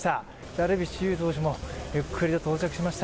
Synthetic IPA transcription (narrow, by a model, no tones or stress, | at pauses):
t̪a | d̪aɾɯbʲiɕijɯːt̪o̞ːɕ̬imo̞jɯkʰːɯɾʲid̪at̪oːt͡ɕakɯ̟ɕimaɕi̥t̪